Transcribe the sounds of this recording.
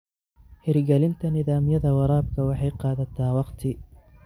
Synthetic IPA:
hɪɾɡɐlɪnt̪ʰɐnɪðaːmjɐðɐwɑɾˤɑːb̚kʰɐwɑħɑjqɑːðɐt̪ʰaːwɑqt̪ʰɪ

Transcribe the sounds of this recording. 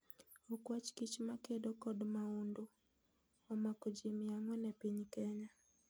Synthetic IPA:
ukwat͡ʃkit͡ʃmakedokɔdmaundo | ɔmakod͡ʒimɪaŋɔnɛpiɲkɛɲa

